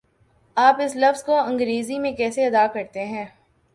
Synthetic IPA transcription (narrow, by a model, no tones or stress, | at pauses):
aːpɪslɐfzkoɐ̃ŋɡɾeːzimẽkɛːseɐd̪aːkɐɾt̪eɦɛ̃ː